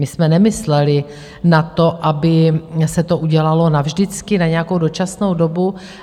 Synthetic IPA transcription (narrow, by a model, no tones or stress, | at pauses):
mɪsmɛnɛmɪslɛlɪ | nat̪o̞ʔabɪsɛt̪o̞ʔuɟɛlalo̞navʒdɪt͡skɪnaɲɛakowdot͡ʃasno̞wdo̞bu